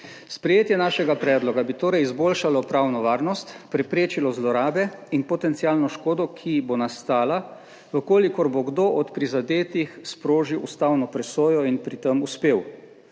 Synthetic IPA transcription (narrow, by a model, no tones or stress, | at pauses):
spɾɛjeːt̪jɛnaʃɛɡapɾɛːd̪lɔɡabit̪oːɾɛjizboːlʃalɔpɾaːwnɔʋaːɾnɔst̪pɾɛpɾeːt͡ʃilɔzlɔɾaːbɛinpɔt̪ɛnt̪siaːlnɔʃkoːd̪ɔkʰibonast̪aːla | ʋəkoːlikɔɾboɡd̪oʔɔt̪pɾizad̪eːt̪ixspɾoːʒiwust̪awnɔpɾɛsoːjɔinpɾit̪əmuspeːw